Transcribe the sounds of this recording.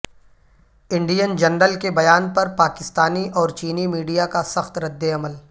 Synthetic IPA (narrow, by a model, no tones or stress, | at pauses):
ɪ̃ɳɖijənd͡ʒɐnɾəlkebɐjaːnpɐɾpaːkɪst̪aːniʔɔːɾt͡ʃiːnimiːɖijakasɐxt̪ɾɐd̪ːeɐməl